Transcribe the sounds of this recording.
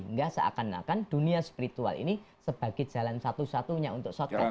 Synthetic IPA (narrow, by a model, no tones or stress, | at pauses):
ŋɡasaʔa̰kana̰kand̥uniaspiɾit̪ua̰lḭni | səb̥a̤ɡ̥ed͡ʒ̥a̤lansat̪usat̪uɲaunt̪ʊk̚sɔt̪a